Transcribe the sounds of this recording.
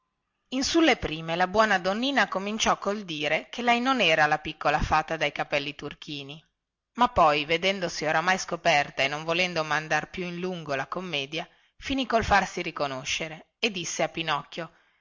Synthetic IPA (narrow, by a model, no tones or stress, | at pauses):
insulːepɾiːmelabwɔːnad̪onːiːnakomint͡ʃɔkːold̪iːɾekʰelɛjnonɛːɾalapikːolafat̪ːad̪ajkapɛlːit̪urk̟iːni | mapːɔjved̪ɛnd̪osioɾamajskopɛrt̪aenːoɱvolɛnd̪omand̪arpjuinluŋɡolakomːɛːd̪ja | finikolfarsiɾikonoʃːeɾe | ed̪ːisːeapinɔkːjo